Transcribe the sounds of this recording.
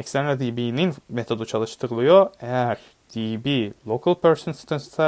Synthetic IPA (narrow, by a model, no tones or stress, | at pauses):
ɛcst̪ænlad̪iːbiːninmet̪ʰo̞d̪ut͡ʃʰalˠɯʃt̪ʰɯɾɯlˠɯjo̞ejæɾ̥ | d̪̥iːbilˠokʰalˠpʰøɾsonst̪ʰɯnst̪ʰa